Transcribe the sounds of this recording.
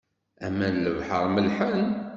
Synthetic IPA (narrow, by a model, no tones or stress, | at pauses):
æmænləvħəɾˤməlħən